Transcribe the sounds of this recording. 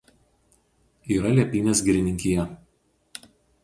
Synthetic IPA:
iːɾɐlʲiɛpʲiːnʲeːsɡʲɪɾʲɪnʲɪŋʲkʲɪjɛ

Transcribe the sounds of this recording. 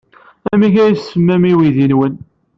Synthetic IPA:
æmiʝæjsːəmːæmiwiðinwən

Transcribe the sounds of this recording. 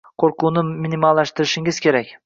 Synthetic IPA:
qʰoɾqunɪminʲimalˠːaʃt̪ɪɾɪʃɪŋɪz̥kʲʰe̞ɾakʲ

